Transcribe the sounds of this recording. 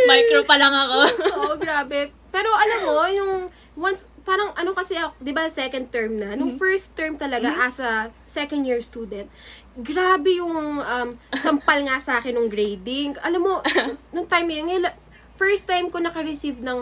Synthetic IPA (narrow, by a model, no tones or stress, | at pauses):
majkɾopɐlɐŋɐkooʔoɡɾaːbɛ | pɛːɾo̞ʔɐlɐmːo̞jʊŋ | wɐnspaːɾɐŋʔɐno̞kɐsɛʔɐd̪ɪbasɐsɛkɐnd̪̚t̪ɛɹmnɐnʊŋfɛɹst̪ːɛɹmt̪ɐlɐɡaʔɐsɐ | sɛkɐnd̪jiɹst̪uːd̪ɛnt̪̚ | ɡɾaːbɛjʊŋʔɐmsɐmpɐlŋasɐʔaːkɪnːʊŋɡɾejd̪ɪŋɡʔɐlɐmːo̞nʊŋt̪ajmɐjɐnŋɐla | fɛɹst̪ːajmkonɐkɐɾɪsivnɐŋ